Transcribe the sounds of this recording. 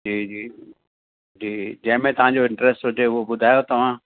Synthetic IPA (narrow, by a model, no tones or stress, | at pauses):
d͡ʑiːd͡ʑiː | d͡ʑiːd͡ʑɐ̃ɦɪ̃mẽt̪ɐʋãɲd͡ʑoɪ̃ɳʈɾɛsʈɦʊt̪eʊobʊd̪ʱaːjot̪ɐʋ̤ãː